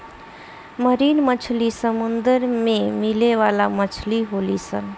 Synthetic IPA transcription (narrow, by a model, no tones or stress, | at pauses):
məɾinmət͡ʃʰlisəmund̪əɾmemileʋalamət͡ʃʰliɦolisən